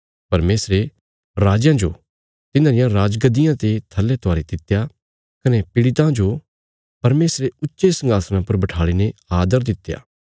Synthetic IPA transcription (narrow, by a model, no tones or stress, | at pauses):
pɐɾmeːsɾe | ɾaːd͡ʒjãd͡ʒo̰ | t̪ɪnãːɾɪjãɾaːd͡ʒɡəd̪ɪjãt̪et̪ʰɐlːet̪ʰʊaːɾed̪ɪt̪ːja | kɐnepɪɽɪt̪ãd͡ʒo | pɐɾmeːsɾeʊtːʃesɐ̃ŋɡaːsnãpɐɾbɐʈʰaːɭineaːd̪əɾd̪ɪt̪ːja̰ː